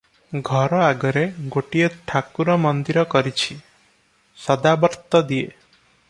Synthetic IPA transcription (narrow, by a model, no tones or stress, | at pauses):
ɡʱɔɾɔaɡɔɾeɡoʈieʈʰakuɾɔmɔnd̪iɾɔkɔɾit͡ʃʰi | sɔd̪abɔɾt̪ɔd̪ie